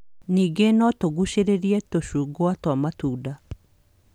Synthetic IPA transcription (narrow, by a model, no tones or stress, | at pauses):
niːɡenɔtoɡuɕeɾeɾiɛtoɕuːɡoatwamatuːda